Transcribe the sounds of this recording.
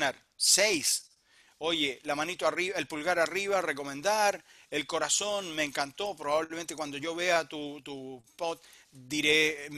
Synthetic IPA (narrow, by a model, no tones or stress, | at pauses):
eɾ | sejs | o̞ʝelamanit̪oarielpulɣaɾariβareko̞mẽnd̪aɾ | elko̞ɾaso̞nmeːŋkant̪o̞pɾoβaβlemẽnt̪ekwand̪o̞ʝo̞βe̞at̪ut̪upot̪̚ | d̪iɾe